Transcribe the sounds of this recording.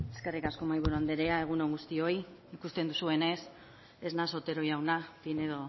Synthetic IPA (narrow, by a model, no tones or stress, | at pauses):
eske̞rikasko̞majβuɾuand̪eɾeae̞ɣ̞uno̞ŋɡust̪io̞jikust̪e̞nd̪usue̞ne̞s | e̞znaso̞t̪e̞ɾo̞jawnafine̞ðo̞